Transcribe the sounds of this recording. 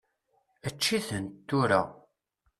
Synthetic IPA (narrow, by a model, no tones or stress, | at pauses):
ət͡ʃːiθənt̪ːuɾa